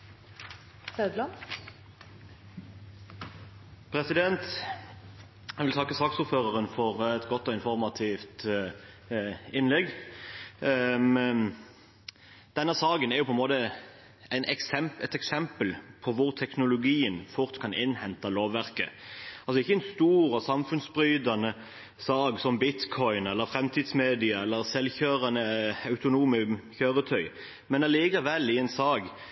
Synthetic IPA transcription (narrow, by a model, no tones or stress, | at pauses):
sœd̪lɑn | pʰɾɛsɪd̪ɛnt̪ | ɛʋɪlt̪ʰɑkːəsɑːksʊːɾføːʁəʁənfɔʁɛt̪ɡɔt̪ːɔɪnfɔʁmɑt̪ʰiːft̪ | ɪnlɛɡ | d̪̥ɛnːəsɑːɡənɛʁjʊpʰɔɛnmoːd̪ə | æɪnʔɛksɛmɛt̪ɛksɛmpəlpʰɔʋʊʁt̪ʰɛknʊlʊɡiːənfʊʁt̪kʰɑnʔɪnhɛnt̪ɑloːʋʋæʁkə̰ɑlsɔɪçːəɛnst̪uːɾɑsɑmfʉnsbɾʏːd̪ɑnə | sɑːɡsɔmbɪt̪kʰɔʏnɛlːəɾfɾɛmt̪ʰiːd̪smeːd̪ɪɑɛlːəɾʁsɛlːçøːʁɑnəɑʉt̪ʊnuːməçøːʁət̪ʰœʏ | mɛnɑliːkɑʋɛlːɪɛɪnsɑːɡ